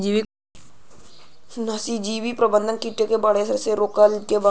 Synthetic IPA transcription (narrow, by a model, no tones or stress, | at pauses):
d͡ʒiʋi | nəsid͡ʒiːʋipɾəbə̃nd̪ʱənkiʈekebaɽesəɾseɾoːkəlkeba